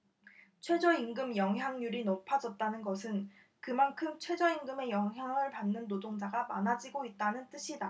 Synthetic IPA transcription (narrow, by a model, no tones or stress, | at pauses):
t͡ɕʰwe̞d͡ʑʌiŋɡɯmjʌŋɦjaŋɲuɾinompʰad͡ʑʌt̚t͈anɯnɡʌsʰɯn | kɯmankʰɯmt͡ɕʰwe̞d͡ʑʌiŋɡɯme̞jʌŋɦjaŋɯɭpanːɯnːodoŋd͡ʑaɡamanad͡ʑiɡoit̚t͈anɯnt͈ɯɕʰida